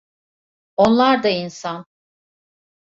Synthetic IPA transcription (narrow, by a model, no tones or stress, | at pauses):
onlˠaɾd̪ainsan